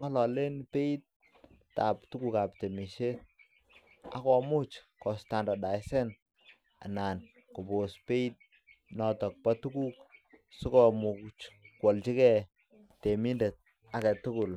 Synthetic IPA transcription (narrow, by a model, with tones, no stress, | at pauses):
ŋɔ˦lɔ˨le˦npe˦i˦t̚ː | a˨ptu˦ku˦ka˨p̚te˨mi˨ʃe˦ | a̰˦kɔ˨mʊ˦t͡ʃkɔ˨sta˨nda˨da˨ɪsɛ˦n | a̰˨na˨n | kʊ˨bo˨spe˦i˦t̚ | nɔtɔ˨k̚pa˦tu˦ku˦ksʊ˦kɔ˦mu˨kt͡ʃkwɔ˨lt͡ʃi˦kɛ˦ | te˨mi˦nde˨t̚ | a˦kɛ˨tʊ˦kʊ˨l